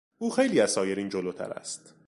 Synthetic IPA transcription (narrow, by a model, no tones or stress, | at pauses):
ʔuːxe̞jliːæz̥sɒːje̞ɾiːnd͡ʒoloːt̪ʰæ̰ɾæ̰st̪